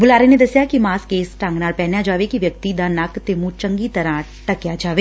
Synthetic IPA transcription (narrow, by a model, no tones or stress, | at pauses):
bʊlaːɾeːneːd̪əsjaːkimaːskeːsʈə̃ŋɡnaːlpɛːnjaːd͡ʒaːʋeːkiʋjək̚t̪iːd̪aːnəkt̪emũːt͡ʃəŋɡiːt̪əɾãː | ʈəkjaːd͡ʒaːʋeː